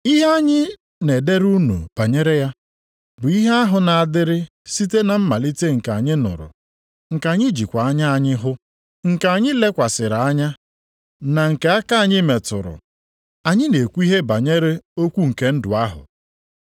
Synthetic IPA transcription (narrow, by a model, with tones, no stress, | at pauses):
i˦ɦe˦a˦ɲɪ˦ | ne˨de˦ɾu˦nṵ˨b̥a˨ɲe˦ɾe˦ja˦ | bʊ˨i˦ɦe˦a˦ɦʊ˨na˨a˨dɪ˦ɾɪ˦ | si˦te˦na˨m̩˦ma˨li˦te˦ŋ̩˨ka˨ɲɪ˦nʊ̰˨ɾʊ̰˨ | ŋ̩˨ka˨ɲɪ˦d͡ʒi˨kʷa˨a˦ɲa˦a˨ɲɪ˦ɦʊ˦ | ŋ̩˨ka˨ɲɪ˦le˦kʷa˨sɪ˨ɾa˨a˦ɲa˦ | na˨ŋ̩˨ke˨˦a˦ka˦a˦˨ɲɪ˦me˨tʊ̰˨ɾʊ̰˨ | a˨ɲɪ˦ne˨kʷu˦i˦ɦe˦ba˨ɲe˦ɾe˦o˦kʷu˦ŋ̩˨ke˦n̩˦dʊ˨a˦ɦʊ̰˨